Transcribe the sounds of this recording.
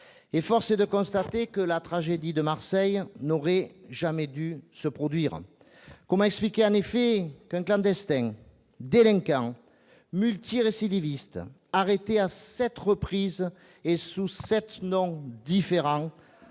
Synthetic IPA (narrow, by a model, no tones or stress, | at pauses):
efɔʁsed̪əkɔ̃st̪at̪ekəlat̪χaʒed̪id̪əmaʁsɛjnoʁɛʒamɛd̪ysəpχɔd̪ɥiʁ | kɔmɑ̃ɛksplikʲeɑ̃nefekɛ̃ŋklɑ̃d̪ɛst̪ɛ̃ | d̪elɛ̃ŋkɑ̃ | mylt̪iʁesid̪ivist̪ | aʁet̪easɛt̪ʁəpχiz | esusɛt̪nɔ̃d̪ifeʁɑ̃